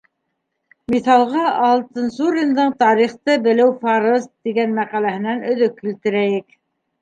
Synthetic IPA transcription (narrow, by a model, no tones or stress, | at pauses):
miθɑlˠʁɑʔɑlˠt̪ɤ̆nsuɾʲind̪ɤɴt̪ɑɾiχt̪ɤbɘ̆lɘwfɑɾɤzt̪iɡænmæqælæhɘ̆nænɵ̆ðɵkːilt̪ɘ̆ɾæjɘk